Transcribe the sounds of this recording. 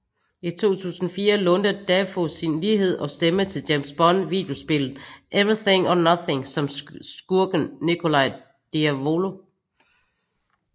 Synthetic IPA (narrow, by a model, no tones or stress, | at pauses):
it͡sʰo̝̰ːt͡sʰṵːsn̩ɒfiːɐlɔ̽nd̥ɐd̥æfosinliːɦe̝ð̞̰ˠʔɒ̽sd̥emət͡sʰe̝ld̥æmsb̥ɒ̽nʋḭːd̥e̝o̝sb̥e̝ləð̩ˠʔeʋɹiθe̝ŋɒnʌθe̝ŋsɒ̽msɡ̥uɐɡ̥ənnikʰo̝lɑ̈ɪ̰ | d̥iæʋo̝lo̝